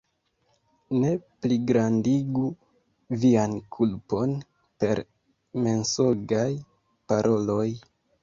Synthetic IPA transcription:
ne̞pliɡɾandiɡu | viankʰulpo̞n | pe̞ɾ | me̞nsoɡaj | paɾʔo̞lo̞j

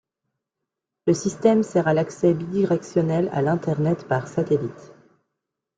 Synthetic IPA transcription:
ləsist̪ɛmsɛʁalaksɛbid̪iʁɛksjɔnɛla̰lɛ̃t̪ɛʁnɛt̪paʁsat̪elit̪

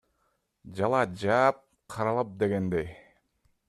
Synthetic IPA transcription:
d͡ʒɑlˠɑd͡ʒɑːp̚ | qʰɑɾɑlˠɑp̚d̪eɡend̪ej

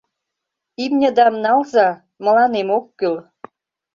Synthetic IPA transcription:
imnʲə̆d̪ɑmnɑlzɑ | mə̆lɑnemokːyl

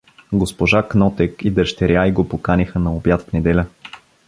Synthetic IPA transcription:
ɡospoʒaknɔt̪ɛkid̪əʃt̪ɛɾjaiɡopokanixənɐobjat̪fnɛd̪ɛlʲə

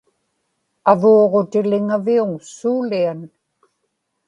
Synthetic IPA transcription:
avoːʁo̞t̪ɪlɪŋaviuŋsuːlian

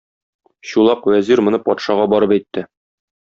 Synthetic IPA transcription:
ɕulˠɑqwæziɾmŏnɤpɒt̪ʃɑʁɑbɒɾɤpæjt̪ːɘ

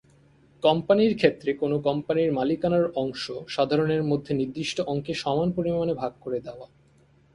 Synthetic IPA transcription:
kɔmpaniɾkʰet̪ːɾekonokɔmpaniɾmalikanaɾɔŋʃoʃad̪ʱaɾoneɾmod̪ʱːeniɾd̪iʃʈoʔɔŋkʰeʃɔmanpoɾimanebʱaɡ̚koɾed̪eoa

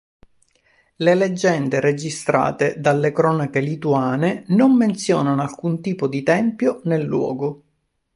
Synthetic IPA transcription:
leled͡ʒːɛnd̪eɾed͡ʒist̪ɾa̰ːt̪ed̪alːekɾɔːnakelit̪uaːnenomːent̪sjɔ̰ːnanoalkunt̪iːpod̪it̪ɛmpjonelːwɔ̰ːɡo

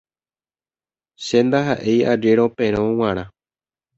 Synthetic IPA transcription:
ʃend̪aɦaʔe̞jad͡ʒeɾopẽɾ̃õw̃ãɾ̃ã

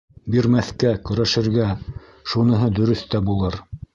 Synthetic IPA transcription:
biɾmæθkækɵ̆ɾæʃɘ̆ɾɡæ | ʃunɤ̆ɦɤd̪ɵ̆ɾɵθt̪æbulˠɤɾ

